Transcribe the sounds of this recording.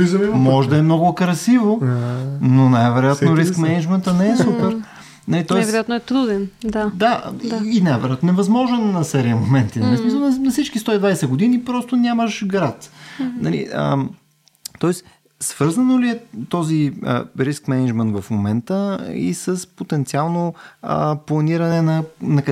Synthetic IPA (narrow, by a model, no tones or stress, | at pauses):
izɐmimɔʒɛd̪ɐɛmnɔɡʊkɾɐsivo | nonajvɛɾojat̪noɾiskmɛnɛd͡ʒmɛnt̪ənɛɛsupɛɾ | nɐlit̪ɔɛsvɛɾojat̪noɛt̪ɾud̪ɛnd̪ad̪aaːnajvɛɾojat̪noɛvɐzmɔʒɛnːɐsɛɾiəmomɛnt̪inɐlismisəlˠnnɐfsit͡ʃkist̪ɔid̪vajsɛɡod̪inipɾɔst̪onʲaməʃɡɾat̪nɐlḭə̰ | t̪ɔɛs | sv̥ɤɾzənoliɛt̪ɔziə̰ɾiskmɛnid͡ʒmɛnt̪vɐfmomɛnt̪əḭsəspot̪ɛnt̪sialˠno̰ | plˠɐniɾənɛnɐnɐk